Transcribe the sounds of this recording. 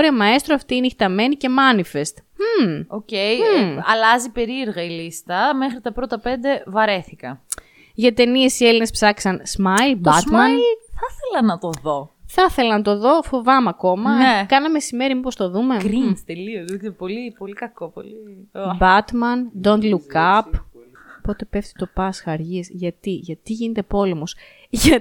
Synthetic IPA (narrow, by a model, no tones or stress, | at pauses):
oɾiɐmɐest̪ɾoɐft̪iineçi̥t̪ɐme̞nice̞mɐnife̞st̪̩ | ocejɐlɐzipe̞ɾieɾɣɐilist̪ɐme̞xɾit̪ɐpɾot̪ɐpe̞nd̪e̞vɐɾe̞θikɐ | ʝɐt̪e̞nie̞sieline̞spsɐksɐnsmɐjlbɐt̪mmɐnθɐθelɐnɐt̪o̞ðoθɐθe̞lɐnɐt̪o̞ðo̞fo̞vɐmɐko̞mɐekɐnɐmesime̞ɾimipo̞st̪o̞ðume̞ɡɾinst̪elioikpo̞lipo̞likɐko̞po̰libɐt̪mɐnd̪ond̪lukɐp | po̞t̪e̞pe̞ft̪i̥t̪o̞pɐsxɐɾʝisʝɐt̪iʝɐt̪iʝinet̪e̞po̞le̞mos | ʝɐ